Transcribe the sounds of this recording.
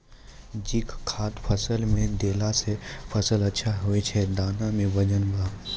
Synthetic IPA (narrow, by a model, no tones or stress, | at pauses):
d͡ʒɪkʰkʰːaːt̪pʰɐsəlmẽd̪eːlasepʰɐsəlɐtːʃʰaɦoet͡ʃʰɛd̪aːnãmẽʋɐd͡ʒənbʱaː